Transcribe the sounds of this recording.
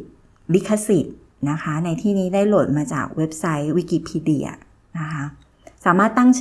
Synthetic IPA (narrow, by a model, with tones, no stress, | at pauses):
li˦˥kʰːa˧si˨˩t̪̚ | na˦˥kʰa˦˥na˧jt̪ʰiː˥˩niː˦˥daː˥˩jlo˨˩t̪̚maː˧t͡ɕa̰ː˨˩k̚we˦˥p̚sa˦˥jwi˦˥kiː˧˩pʰiː˧˥di˧˩ɐ̰˧˩ | na˦˥kʰa˦˥ | saː˩˦maː˥˩t̪ːa˥˩ŋt͡ɕʰ